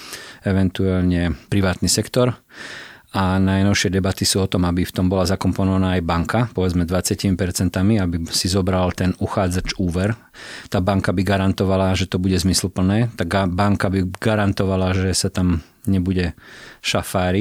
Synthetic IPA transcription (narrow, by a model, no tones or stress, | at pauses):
ɛʋɛnt̪ualɲɛpɾiʋaːt̪nisɛkt̪ɔɾ | anajnɔʊʃɪɛd̪ɛbat̪isuːɔt̪ɔmabift̪ɔmbɔlazakɔmpɔnɔʋanaːajbaŋkapɔʋɛd͡zmɛd̪ʋat͡sɪacimipɛɾt͡sɛnt̪amiabisizɔbɾalt̪ɛnuxaːd͡zat͡ʃuːʋɛɾ | t̪aːbaŋkabiɡaɾant̪ɔʋalaʒɛt̪ɔbuɟɛzmisl̩pl̩nɛːt̪aɡbaŋkabiɡaɾant̪ɔʋalaʒɛsat̪am | ɲɛbuɟɛʃafaːɾi